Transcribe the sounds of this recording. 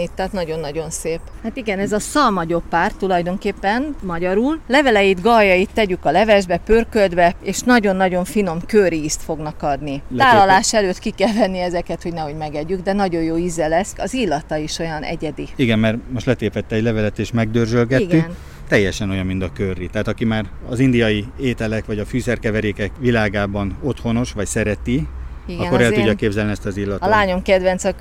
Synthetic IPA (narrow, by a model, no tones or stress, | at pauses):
it̪ːat̪nɒɟo̞nːɒɟo̞nseːphat̪iɡɛnɛzɒsɒlmɒɟo̞pːaːrt̪ːulɒjd̪o̞ŋkeːpːɛnmɒɟɒɾuːllɛvɛlɛjid̪ɡɒjːɒjit̪ːɛɟykɒlɛvɛʒbɛpørkøld̪bɛeːʃnɒɟo̞nːɒɟo̞ɱfino̞mkøriːst̪fo̞ɡnɒkɒd̪niaːlːɒlaːʃɛløːt̪kikɛlvɛnːiɛzɛkɛt̪ho̞ɟnɛho̞ɟmɛɡɛɟːyɡd̪ɛnɒɟo̞jjoːizɛlɛskɒzilːɒt̪ɒiʃo̞jɒnʔɛ̰ɟɛd̪iiɡɛmmɛrmo̞ʃt̪lɛt̪eːpɛt̪ːɛːɟlɛvɛlɛt̪eːʃmɛɡ̚d̪ørzølɡɛt̪ɡːyn | t̪ɛjːɛʃɛno̞jɒmːind̪ɒkørːit̪ɛɦaːt̪ɒkimaːr | ɒzind̪ijɒjieːt̪ɛlɛkʋɒɟɒfyːsɛrkɛvɛɾeːkɛkʋilaːɡaːbɒno̞t̪ho̞no̞ʃʋɒcsɛɾɛt̪iiɡɒkoɾɛlt̪uɟːɒkeːbzɛlniɛst̪ɒzilːɒt̪ɒlaːɲo̞mkɛd̪ʋɛnt̪sɒ